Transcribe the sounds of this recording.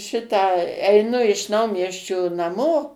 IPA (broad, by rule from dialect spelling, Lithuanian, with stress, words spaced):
ˈʃʲɪtɑː ɛɪˈnʊ ɪʃ ˈnɐʊmʲiɛsʲt͡ʃʲoː nɐˈmoː